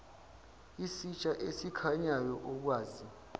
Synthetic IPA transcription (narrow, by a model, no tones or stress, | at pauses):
isit͡ʃʼaʔesikʰaɲajɔʔɔk̬waːzi